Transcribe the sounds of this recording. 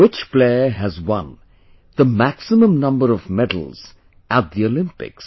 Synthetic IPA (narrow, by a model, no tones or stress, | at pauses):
wɪt͡ʃpleɪəɨzwʌ̃n | ðəmæksəmə̃mnʌ̃mbəɾʌvmɛdl̩ˠz̥ | ət̪̚ðiolɪ̃mpɪ̰ks